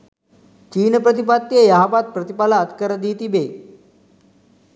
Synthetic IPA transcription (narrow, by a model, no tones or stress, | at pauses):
t͡ɕiːnəpɾət̪̬ipat̪ːjəjaɦapat̪̚pɾət̪ipalaət̪kəɾəd̪iːt̪ibe